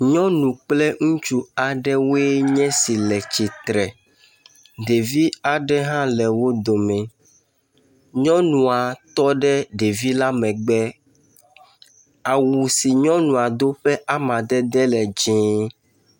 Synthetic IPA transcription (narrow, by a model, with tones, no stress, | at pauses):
ɲɔ̃˦nũ˨k͡plɛ˦ŋũ˦t͡ʃu˦a˨ɖɛ˦we˦ɲɛ̃˦si˨lɛ˨t͡ʃi˨t̪ɾɛ˨ | ɖe˨vi˦a˨ɖɛ˦ɦã˦lɛ˨wo˦d̪o˨mɛ̃˨ | ɲɔ̃˦nũ˨a˨t̪ɔ˦ɖɛ˦ɖe˨vi˦la˦mɛ̃˨ɡ͡bɛ˦ | a˨wu˨si˨ɲɔ̃˦nũ˨a˨d̪o˦ɸɛ˦ʔa˦mã˨d̪ɛ˦d̪ɛ˦lɛ˨d͡ʒĩː˦